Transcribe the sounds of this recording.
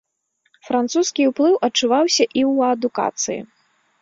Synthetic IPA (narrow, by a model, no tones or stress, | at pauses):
fɾant̪suskʲiwplˠɨwʔɐt͡ʂːuvawsʲɐʔiwɐd̪uka̰t̪sɨjḭ